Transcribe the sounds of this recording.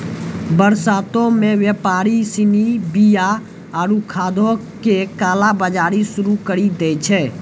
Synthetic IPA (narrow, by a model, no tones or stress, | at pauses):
bəɾsaːt̪õmẽʋjəpaːɾisɪnibija | aːɾukʰaːd̪ʱokekaːlabəd͡ʒaːɾisʊɾukəɾid̪eːt͡ʃʰɛː